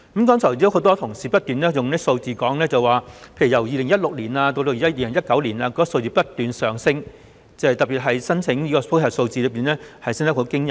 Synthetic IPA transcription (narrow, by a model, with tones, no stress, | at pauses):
kɐ˨˥mkɔː˥ŋsʰɐ˨˩wt͡si˧˥ho˨˧˥wt̪ɔː˥t̪ʰʊ˨˩ŋsiː˨pɐ˥t̚t̪yː˨nlɛː˥jʊ˨ŋnɛ˥so˧wt͡siː˨kɔː˨˥ŋlɛː˥t͡sɐ˨waː˨˩pʰe˧jy˨˩jɐ˨˩wjiː˨˧lɪ˨˩ŋjɐ˥t̚lʊ˨k̚liː˨˩naː˧t̪o˧t̪o˧jiː˨˩a˥jiː˧˨lɪ˨˩ŋjɐ˥t̚kɐ˨˥wliː˨˩naː˧kɔː˨˥˨so˧wt͡siː˨˧pɐ˥t̚t̪yː˨nsœː˨˩ŋsɪ˥ŋ | t͡sɐ˨˧hjt̪ɐ˨˩piː˨t̚ɦɐ˨jsɐ˥nt͡sʰɪ˨˥ŋiː˥kɔː˧fʰhʰɐ˨˩so˧wt͡siː˨˧lɵ˨˧˥p̬iː˨˩nlɛː˥hɐ˨jsɪ˥ŋt̪ɐ˥kho˨˧˥wkɪ˥ŋjɐ˨˩